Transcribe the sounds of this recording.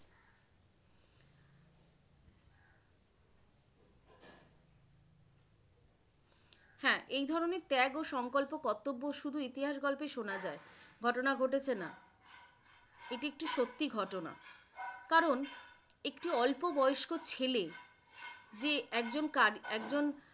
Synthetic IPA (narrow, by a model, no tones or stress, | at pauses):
hɛ̃ʔejd̪ʱɔɾoneɾt̪ɛɡoʃɔŋkolpokɔt̪ːobːoʃud̪ʱuit̪iɦaʃɡɔlpeʃonad͡ʑaeɡʱɔʈonaɡʱoʈet͡ɕʰena | eʈiek̚ʈiʃot̪ːiɡʱɔʈona̰ | kaɾon | ekʈiɔlpobɔjoʃkot͡ɕʰele | d͡ʑeɛkd͡ʑonkaɾɛk̚d͡ʑon